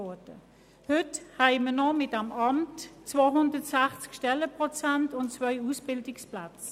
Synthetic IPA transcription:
ɔɐdə | hʏthɛɪmənɔmɪtɛmɑmtt͡svoːɦʊndətsæχt͡skʃtɛləpʁɔt͡sæntʊntt͡svœʏusb̥ɪldɪksplat͡s

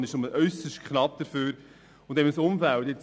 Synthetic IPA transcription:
nɪʃoməʔœʏsəsʃtkʰχnɑp̚d̥̪əɾføːɾ | ʊnd̪ɛbənəsʊmfælt̪ɪt͡s

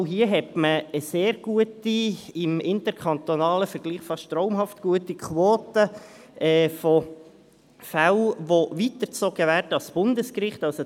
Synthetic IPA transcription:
ɦiəɦɛtməəseːɾɡ̥uətiɪmɪntəɾkʰɑntonɑːləfəɾɡ̥liːχfɑʃtɾɔʊmɦɑftɡ̥uətikʰwoːtə | ʔɛːfɔ | fælʋoʋitəɾt͡sɔɡ̥əʋæːɾdəɑsb̥ʊndəskrɪχtɑlso

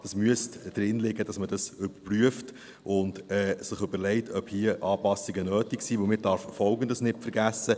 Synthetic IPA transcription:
d̥ɑsmyəstd̥ɾɪnlɪɡəd̥ɑsməd̥ɑsʏb̥əɾpryəft | ʔʊndɛːsɪχʏbəɾlɛɪtʰœphiːəʔɑːpɑsiɡənøːtiksiːʋəlmɪɾd̥ɑɾffɔlɡən̩dəsnɪtfəɾɡæsːə

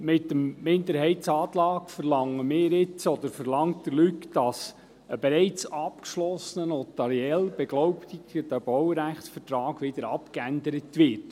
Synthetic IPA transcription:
mɪtːəmːɪnd̪əɾhɛɪtsɑːt̪lɑːkfəɾlɑŋːəmɪːɾɪt͡sɔd̪əɾfəɾlɑŋtdəlykd̥ɑs | əbeɾɛɪt͡sɑpkʃlɔsənənɔt̪ɑɾiɛlb̥ɛɡlɔwpt̪iɡəd̥æb̥ɔwɾæχtsfətɾɑːɡ̥ʋɪd̥̪əɾɑpkændəɾətʋɪɾt

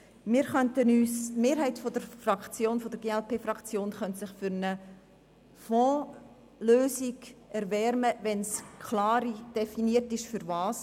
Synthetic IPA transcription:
mɪːɾχœntənyːsmeːɾhɛɪtfod̥əɾfrɑkt͡sjoːnfɔdəɾɡeːɛlpʰeːfɾɑkt͡sjoːnχœntsɪχfʏɾnə | fɔ̃ː | løːsiɡʔɛɾvɛɾməvɛnskʰlɑːɾid̥ɛfiniəɾtɪʃfʏɾvɑːs

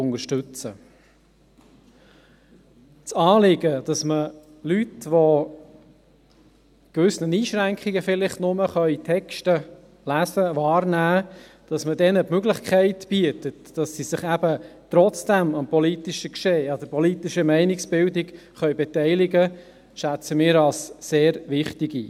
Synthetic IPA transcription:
ʊnəɾʃtʏt͡sə | t͡sɑːlɪɡəd̥ɑsmə | lytʋo | kʋʏsnəniːʃɾæŋkχiɡəfɪlɪχtnʊməχœʏitʰɛkʃtə | læsəvɑːɾnæː | d̥ɑsmədɛnəpmøɡlɪχkʰæɪtb̥iətətd̥ɑsːisɪχæbət̪ɾɔt͡sd̥æmɑmpɔlitiʃəkʃeːɑd̥̪əpɔlitiʃəmæɪnɪksb̥ɪldɪɡ | χœɥbɛtæɪlɪɡə | ʃæt͡səmɪːɾɑlsːeːɾʋɪχtɪɡḭː

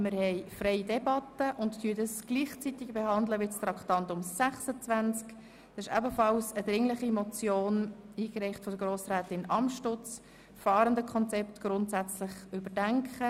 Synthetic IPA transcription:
mɪɾhɛɪfrɛɪidɛbɑtəʔʊnttʰyədəsɡ̥liːχt͡sitɪɡb̥eɦɑndləʋɪtst̪rɑkχtɑntʊmsæχsət͡svænt͡sk | d̥ɑsɪʃɛbəfɑlsəd̥̪ɾɪŋlɪχimɔt͡sjoːniːkɾɛɪχtfɔd̥əɡ̥ɾoːsɾɛːtɪnɑmʃtʊt͡s | fɑːɾəndəkʰɔnt͡sɛptɡ̥ɾʊntsæt͡slɪχybədæŋkχə

